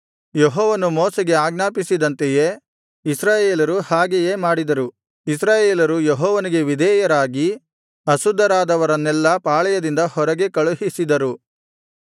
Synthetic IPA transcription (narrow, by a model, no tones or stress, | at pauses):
jeɦɔːʋɐnumoːsɛɡe̞aːɡnaːpisid̪ɐnt̪eje | isɾaːjeːlɐɾuhaːɡejeːmaːɽid̪ɐɾu | isɾaːjeːlɐɾujeɦɔːʋɐniɡe̞ʋid̪ʱɛːjɐɾaːɡi | ɐsud̪ːɐɾaːd̪ɐʋɐɾɐnːɛlːɐpaːɭɛjɐd̪ind̪ɐhɔɾɐɡe̞kɐɭuɦisid̪ɐɾu